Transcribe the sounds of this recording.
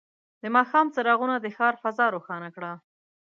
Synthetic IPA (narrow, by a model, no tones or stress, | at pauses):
d̪əmɑxɑmt͡saɾɑɣunad̪əxɑɾfazɑɾoxɑnakɽa